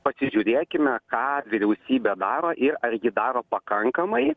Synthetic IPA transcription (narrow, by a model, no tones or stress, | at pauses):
pɐsʲɪʒʲʊɾʲeːkʲɪmʲɛkɑːʋʲɪɾʲɛʊsʲiːbʲɛd̪ɑːɾoːʔɪɾɐɾʲjɪd̪ɑːɾoːpɐkɐŋkɐmɐɪ